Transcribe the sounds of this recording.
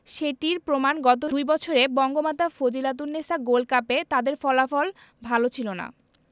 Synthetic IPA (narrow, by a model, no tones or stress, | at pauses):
ʃeʈiɾpɾomanɡɔt̪̬od̪ujbɔt͡ɕʰoɾebɔŋɡomat̪afod͡ʑilat̪̬uɾːesaɡolkapet̪ad̪eɾfɔlafɔl | bʱalot͡ɕʰilona̰